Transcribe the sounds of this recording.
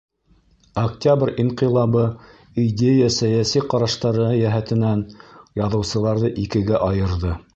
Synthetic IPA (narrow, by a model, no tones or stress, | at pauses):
ɐktʲabrʲiɴqilˠɑβɤ | idʲejəsæjæsiqɑɾɑʃt̪ɑɾɤjæɦæt̪ɘ̆nænjɑðɤ̆wsɤ̆lˠɑɾðɤʔikɘ̆ɡæʔɑjɤ̆ɾðɤ